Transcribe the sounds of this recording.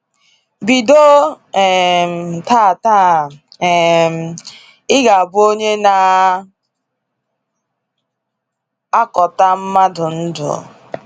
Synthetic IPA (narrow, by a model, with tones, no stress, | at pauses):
bi˨do˦˨ | m˨ta˦˨ta˦˨ | m̩˨ | ɪ˦ɡa˨a˨bʊ˦o˦ɲe˦na˨ | a˦kɔ˨ta˦m̩˦ma˦dʊ˨n̩˦dʊ̰˨